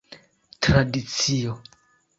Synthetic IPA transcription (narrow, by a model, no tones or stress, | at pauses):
tɾadit͡sio